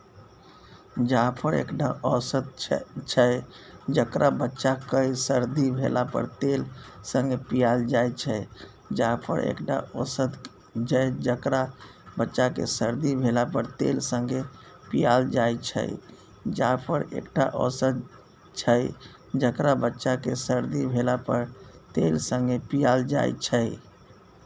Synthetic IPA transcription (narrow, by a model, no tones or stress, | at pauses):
d͡ʒapʰəɾḛkʈaʔɔsət̪̚t͡ʃʰəd͡ʒəkɾʔabətːʃakəjsəɾd̪ibʱelapə̰ɾt̪elsə̃ŋɡʱepijald͡ʒajt͡ʃʰəj | d͡ʒapʰə̰ɾḛkʈa̰ɔsət̪ | d͡ʒəd͡ʒəkɾa | bətːʃakḛsəɾd̪ibʱelapəɾt̪ḛlsə̃ŋɡe | pijald͡ʒajt͡ʃʰə̰j | d͡ʒapʰəɾḛkʈaʔɔsəd̪ | t͡ʃʰəj | d͡ʒəkɾabətːʃakesəɾd̪ibʱelapəɾt̪elsə̃ŋɡepijald͡ʒa̰jt͡ʃʰə